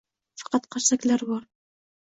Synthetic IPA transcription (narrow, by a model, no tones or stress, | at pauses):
fɑ̥qɑt̪qɑɾsˤaklaɾwɑɾˤ